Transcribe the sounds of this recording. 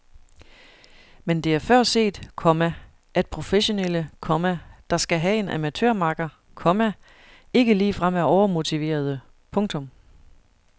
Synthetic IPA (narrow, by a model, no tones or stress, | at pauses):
mend̥e̝æɐfɶɐ̰se̝̰ːd̥kʰɒ̽mæ | ʔæd̥̚pʰʁo̝feɕo̝nel̰əkʰɒ̽mæd̥ɑ̈sɡ̥æɦæe̝nʔæmæt͡sʰøɐ̰mɑ̈ɡ̥ɐ | kʰɒ̽mæ | e̝ɡ̥əliːfʁam̰æɒʊɐmo̝t͡sʰiʋe̝̰ːɐð̞ˠə | pʰɔ̽ŋt͡sʰɔ̽m